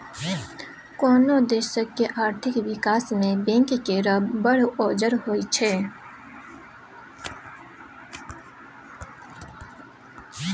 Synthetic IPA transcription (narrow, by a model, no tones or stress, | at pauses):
kɔːnod̪eːʃəkːeʔaːɾt̪ʰɪkʋɪkaːsmẽbẽːŋkkeɾəbbəɽɔːd͡ʒəɾɦoːit͡ʃʰɛː